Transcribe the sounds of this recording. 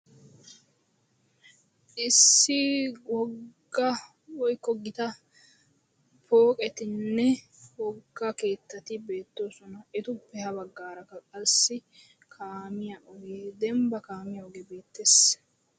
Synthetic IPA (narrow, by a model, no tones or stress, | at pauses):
ʔɪsːɪwɔɡɡːɐ | wɔjkːɔɡɪt̪ɐ | pʰo̞ːkʼɛt̪ɪnːɛ | wɔɡːɐke̞ːt̪ːɐt̪ɪbe̞ːt̪ːo̞ːsɔnɐɛt̪ʊpːɛhɐbɐɡːaːɾɐkːɐkʼɐsːɪ | kʰaːmɪjaʔɔɡeːd̪ɛmbɐkaːmɪjɐɔɡebe̞ːt̪ːes